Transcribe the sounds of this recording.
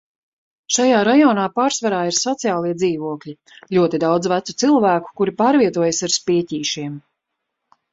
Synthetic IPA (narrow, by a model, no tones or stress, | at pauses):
ʃajaːɾajɔːnaːpaːɾsvaɾaːiɾsɔt̪sijaːlˠiɛd̪ziːvuɔkʎʲi | ʎuɔt̪id̪awd̪zvæt̪sut̪silˠvæːku̥kuɾipaːɾviɛt̪uɔjasaɾspiɛciːʃiɛm